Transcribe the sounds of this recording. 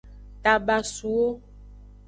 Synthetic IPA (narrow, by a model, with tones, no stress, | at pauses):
t̪a˨ba˨su˨wo˦